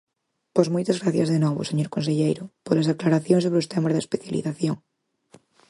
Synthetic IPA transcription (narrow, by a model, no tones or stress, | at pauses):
pozmojt̪azɣɾaθjazðenɔβo̰seɲoɾkonseʎejɾʊpolazðaklaɾaθjoŋs̬oβɾeost̪emaɾðespeθjalḭθaθjoŋ